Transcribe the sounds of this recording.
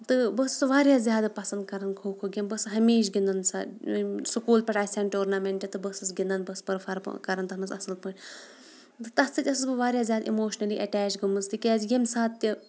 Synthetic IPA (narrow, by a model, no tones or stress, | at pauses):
t̪ɨbɐst͡sʋaːɾʲjaːzʲjaːd̪ɐpɐsɐnd̪kɐɾɐnd̪kʰoːkʰoːɡʲɐmbɐsɦɐmeːʃ̬ɡʲind̪ɐnsa̰sɨkuːlpʲɐʈaːsʲɐːnʈoːɾnaːmeɳʈʲet̪ɨbɐsɨsɡʲind̪ɐnbɐspɐɾfʰɐɾ̰kɐɾɐnt̪ɐɦnɨsɐsɨlpɨnʲ | t̪ɨt̪ɐst̪ʰɨt̪ʲɐsɨsbɨʋaːɾjaːzʲjaːd̪ʔimoːʃnɐliːʔɐʈɛːt͡ʃɡɨmɨnzt̪ɨkʲaːzjemsaːt̪̚t̪ʲi